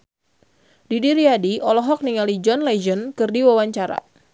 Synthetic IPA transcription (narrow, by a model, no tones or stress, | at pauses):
didiɾiadiʔɔlɔɦɔk̚niŋalid͡ʒɔnlad͡ʒənkɨrdiwawaɲt͡ʃaɾa̰